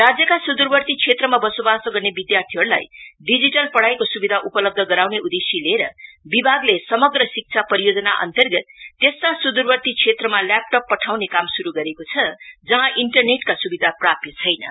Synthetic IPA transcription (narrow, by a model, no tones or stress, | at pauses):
rad͡zjʌkasud̪urbʌrt̪it͡sʰet̪rʌmabʌsobasʌɡʌrnebid̪jart̪ʰiɦʌɾula̰jɖid͡ziʈʌlpʌɽajkosubid̪ʱaʔupʌlʌb̚d̪ʱʌɡʌɾawneud̪esileɾʌ̰bibʱaɡlesʌmʌɡrʌsik̚t͡sʰapʌɾijod͡zʌnaʔʌ̰nt̪ʌrɡʌt̪ːest̪asud̪urbʌrt̪ikt͡sʰet̪rʌmalap̚ʈʌpːʌʈʰawnekamsuɾuɡʌɾekot͡sʰʌd͡zʌɦãʔiɳʈʌrneʈkasubid̪ʱaprapjʌt͡sʰʌjnʌ̰